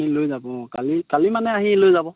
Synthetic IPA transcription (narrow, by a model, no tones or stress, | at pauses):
ilojzabɔ̃kalikalimanɛaɦilojzabɔ